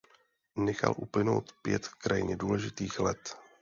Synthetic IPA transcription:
nɛxa̰lʔuplɪno̞̰wt̪pjɛt̪kɾʔajɪɲɛduːlɛʒɪt̪iːxlɛt̪

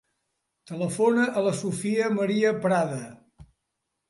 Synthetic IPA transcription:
t̪ələfonəʔələsufiəməɾiəpɾaðə

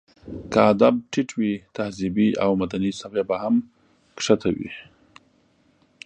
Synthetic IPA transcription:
kaad̪ab̚ʈɪʈwit̪ahzibiawmad̪anisabjabaham | kʂat̪ʰawḭ

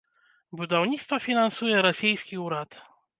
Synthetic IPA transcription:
bud̪ɔvɲit̪st̪fafʲinansujɛɾɔsʲijskʲiuɾat̪

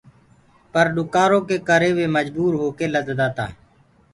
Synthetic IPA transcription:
pəɾɗʊkaːɾõːkeːkəɾeːʋeːməd͡ʒbuːɾɦoːkeːləd̪d̪aːt̪a̰ː

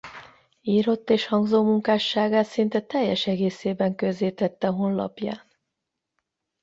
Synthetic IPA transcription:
iːɾo̞t̪ːeːʃhɒŋɡzoːmuŋkaːʃːaːɡaːt̪sint̪ɛt̪ɛjːɛʃɛɡeːseːbɛŋkøzeːt̪ɛt̪ːɛɦo̞nlɒ̰pja̰ːn

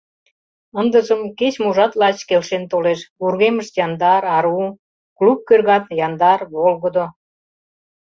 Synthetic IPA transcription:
ənd̪əʒəmket͡ɕmuʒɑt̪lɑt͡ɕkelʃent̪oleʃβurɣeməʃt̪jɑnd̪ɑɾɑɾu | klup̚kørɣɑt̪jɑnd̪ɑrβolɣəd̪o

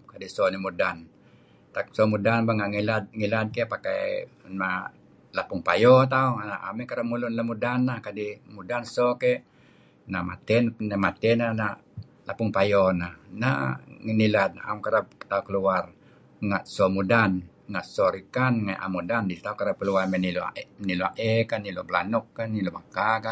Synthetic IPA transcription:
kadisonimudan | t̪ak̚sɔmudanbaŋaʔŋilat̪̚ŋilat̪̚kepaka̰na | lapuŋpajɔt̪̬aunaʔa̰mikaɾamulunlamudanːakadimudansɔkɛ | nama̰t̪ɛnnamat̪ɛnana | lʔapʊŋpajɔnahna̰ŋinilad̪̚na̰ʔa̰mkaɾap̚t̪aukəluar | ŋaʔ̪somudan | ŋaʔ̪sɔɾikanŋajʔa̰mudandit̪aukaɾap̚kəluarmeniloa̰niloa̰ʔekaniloblanʊkːanilomakaka

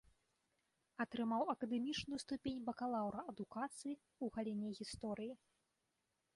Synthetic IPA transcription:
ɐt̪ɾɨmawɐkɐd̪ɛmʲit͡ʂnujust̪upʲenʲbɐkalˠawɾɐɐd̪ukat̪sɨji | uɣalʲɛnʲɛɣʲist̪ɔɾɨji

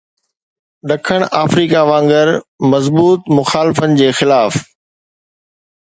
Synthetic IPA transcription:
ɗɐkʰəɽ̃ʔaːfɾiːkaʋãːŋɡəɾmɐzbuːt̪mʊxaːlɪfənɪ̆d͡ʑeːxɪlaːf

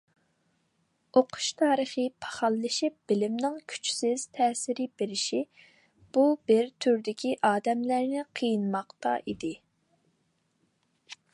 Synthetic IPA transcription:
oqʰʊ̥ʃt̪ʰɑːɾəχɨpʰɑ̥χɑlˠːɨʃip̚b̥ɪlɪmnɪŋkʲʰy̥t͡ʃʰsɪz̥t̪ʰɛːsɪɾɪbeɾɪʃi | b̥ubɪɾt̪ʰyɾd̪ɪkʲiʔɑːd̪ɛmlæɾnɪqʰəjinmɑqt̪ɑ̰ʔid̪ɪ

